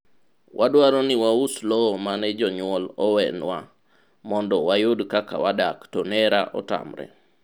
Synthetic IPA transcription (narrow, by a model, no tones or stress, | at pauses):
wʔadwaɾɔnɪwauslɔmanɛd͡ʒɔɲʊɔlɔwɛnwa | mɔndɔwajodkaka̰wadaktɔnɛɾa̰ʔɔ̰ta̰mɾɛ̰